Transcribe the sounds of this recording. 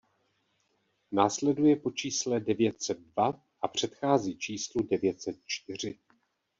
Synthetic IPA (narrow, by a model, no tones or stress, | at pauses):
naːslɛdujɛpo̞t͡ʃiːslɛdɛvjɛt̪sɛd̪̚dva | ʔapr̝̥ɛt̪xaːziːt͡ʃiːsludɛvjɛt̪sɛt̪̚t͡ʃt̪ɪr̝ɪ